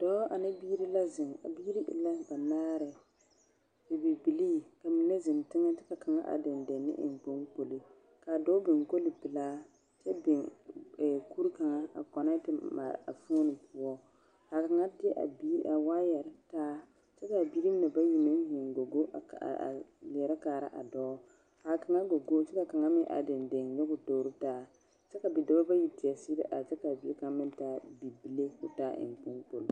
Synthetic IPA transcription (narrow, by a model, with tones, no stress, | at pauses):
d̥ɔː˦ʔa˨nɪ˦biː˦ɾi˦la˦zɪ˨ŋa̰˨biː˦ɾi˦ʔɪ̰˨la˦ba˨naː˦ɾɪ˨ | ɪ˨bi˨bi˨liː˦ka˨mi˨nɛ˦zɪ˨ntɪ˦ŋa˦tɪ˦ka˨ka˨ŋa̰˦ʔa̰˨dɪ˨ndɛ˨nːɪ̰˦ʔɪ̰˨ŋ˨k͡po˦ŋko˨li˨ | ka˨dɔ˦bɪ˨ŋko˦lɪ˨bɪ˨laː˦ | t͡ʃɛ˦bɪ˨ɛ˨ku˦ɾka˨ŋa˦a̰˨kɔ˨nɛ˦tɪ˨ma̰˨ɾ̰a̰˨fo˦nɪ˨pʰʊ˦ɔ˦ | ha˨ka˨ŋa˦tɪ˦a̰˨bi˦a˨waː˦jɛ˨ɾtaː˦ | t͡ʃɛ˦ka˨bi˦ɾi˦m˦na˨ba˦ji˨mɪ˦n˦hi˨ŋ˨ɡo˨ɡo̰˦˨lɪ˨ɛ˨ɾa˦kaː˨ɾa̰˦ʔa̰˨dɔː˦ | ha˨ka˨ŋa˦ɡo˨ɡo˦t͡ʃɛ˦ka˨ka˨ŋa˦mɪ˦ʔa̰˨dɪ˨ndɪ˨ŋjɛ˦kʊ˨do˨wɾi˦taː˦ | t͡ʃɛ˦ka˨bi˨do˨˦ɾba˦ji˨˦tɪ˨ɛ˨si˦ɾɪ̰˦ʔa˨t͡ʃɛ˦ka˨bi˨˦e˦ka˨ŋ˦mɪ˦n˦taː˦bi˨bi˨le˦kʊ˦taː˦ʔɪ̰˨ŋ˨k͡pu˦ŋk͡po˨l